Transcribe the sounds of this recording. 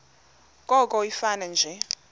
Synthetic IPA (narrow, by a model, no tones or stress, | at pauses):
kʼɔkʼɔifanand͡ʒʱɛ